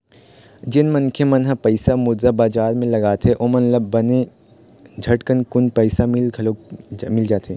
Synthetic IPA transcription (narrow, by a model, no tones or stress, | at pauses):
d͡ʒɪnmɐnkʰemɐnɦapɐɪsamʊd̪zabaːd͡ʒaːɾmẽlɐɡaːt̪ʰeʔoːmɐnlɐbbɐne | d͡ʒʱɐʈkənkʊnpɐɪsamɪlkʰlomɪld͡ʒaːt̪ʰeː